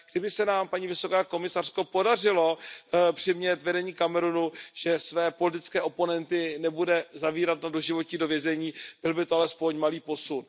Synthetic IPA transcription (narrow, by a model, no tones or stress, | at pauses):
ɡ̥dɪbɪsɛnaːmpaɲiːvɪso̞kaːko̞mɪsar̝̥ko̞po̞dar̝ɪlo̞pr̥ɪmɲɛt̪vɛdɛɲiːkamɛɾunuʒ̥ɛsvɛːpo̞lɪt̪̬ɪt͡skɛːʔo̞po̞nɛnt̪ɪnɛbudɛzaviːɾat̪nado̞ʒɪvo̞cɲido̞vjɛzɛɲiːb̥ɪlbɪt̪oalɛspo̞ɲmaliːpo̞sun